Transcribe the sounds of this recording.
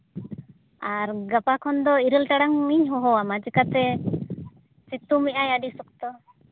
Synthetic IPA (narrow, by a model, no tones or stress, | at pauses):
aɾɡapakʰɔnd̪ɔiɾəlʈaɽaŋiɲɦɔɦɔamad͡ʒikat̪ɛ | sit̪umiʔajaɖisɔk̚t̪ɔ